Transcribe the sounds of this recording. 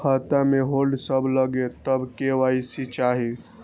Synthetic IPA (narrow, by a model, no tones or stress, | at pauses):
ət̪ameɦolɖsəbʱləɡet̪əbkeʋaisit͡ʃaɦi